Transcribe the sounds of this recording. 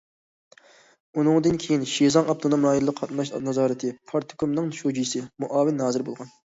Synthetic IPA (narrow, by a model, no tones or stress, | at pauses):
unɨŋd̪ɨnkʲʰejinʃezɑŋɑp̚t̪ʰonomlɑːjilˠəqʰːɑt̪nɑʃnɑzɑːɾɨt̪ʰɪpʰɑɾt̪ʰʊ̥kʰomnɨŋʃod͡ʒijsɪmuʔɑːvɪnːɑːzɨɾbo̰lˠʁɑn